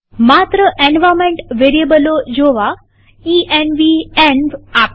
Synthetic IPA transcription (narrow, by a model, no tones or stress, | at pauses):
mat̪ɾəʔẽnʋamẽɳʈʋeɾiebəlod͡ʒoʋa | iɛnʋienbap